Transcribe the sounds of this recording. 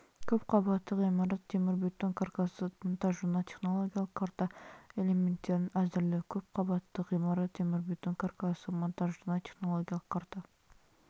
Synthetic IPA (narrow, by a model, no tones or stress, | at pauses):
kʲʰɵp̚qʰɑbɑt̪ːəqijmɑɾɑt̪ʰːemɪɾbit̪ːoŋkʰaɾkasəmʊnt̪ɑʒːunɑt̪ʰe̞χno̞lˠoɡʲijɑlˠəqqʰːɑɾt̪ɑelʲe̞me̞nt̪ːe̞ɾɪnæzɪɾlɪkʲʰɵp̚qʰɑbɑt̪ːəqijmɑɾɑt̪ʰːemɪɾbit̪ːoŋkʰaɾkasəmʊnt̪ɑʒʒuɾnɑt̪ʰe̞χno̞lˠoɡʲijɑlˠə̥qkʰɑɾt̪ɑ